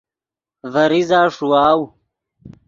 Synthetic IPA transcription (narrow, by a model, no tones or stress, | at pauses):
vɐɾizaːʂuwaːw